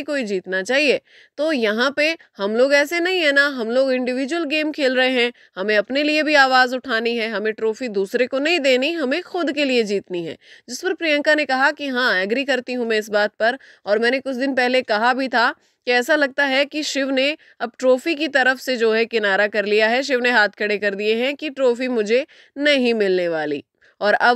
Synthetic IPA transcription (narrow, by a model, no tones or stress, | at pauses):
koːid͡ʒiːt̪nat͡ʃaːɦieː | t̪oːjɐɦãpe | hɐmloːɡɛːsenɐɦĩɦɛnaɦɐmloːɡɪ̃ɳɖɪʋiːd͡ʒʊwəlɡeːmkʰeːlɾɐɦeɦɛ̃ | hɐmẽɐpneliebʱiaːʋaːzʊʈʰaːniɦɛɦɐmẽʈɾoːfid̪uːsɾekonɐɦĩd̪eːniɦɐmẽxʊd̪kelied͡ʒiːt̪niɦɛ̰̃ːd͡ʒɪspɐɾpɾijə̃ŋkanekɐɦakiɦãɛɡɾikɐɾt̪iɦũmẽɪs̬baːt̪̚pɐɾ | ɔːɾmɛ̃ːnekʊt͡ʃʰd̪ɪnpɛɦlekɐɦabʱit̪ʰa | kiɛːsalɐɡ̚t̪aɦɛkiʃɪʋne | ɐb̚ʈɾoːfikit̪ɐɾəfsed͡ʒoːɦɛkɪnaːɾakɐɾlijaɦɛʃ̬ɪʋneɦaːt̪̚ʰkʰɐɽekɐɾd̪ieɦɛ̃kiʈɾoːfimʊd͡ʒʱe | nɐɦĩmɪlneʋaːlḭː | ɔːɾɐb